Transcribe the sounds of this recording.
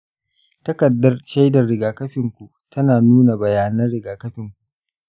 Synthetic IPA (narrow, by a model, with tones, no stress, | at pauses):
tɐ˦kɐ˨dːɐ˦rʃɐ˦jdɐ˨rɽɪ˨ɡaː˨kɐ˦ɸɪ˨ŋkʷu˨ʔtʰɐ˦naː˨nuː˦na˨bɐ˨jaː˨nɐ˦rɽɪ˨ɡaː˨kɐ˦ɸɪ˨ŋkʷu˨ʔ